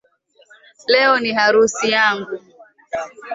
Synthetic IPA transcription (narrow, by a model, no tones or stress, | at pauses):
lɛɔniɦaɾusijaŋɡu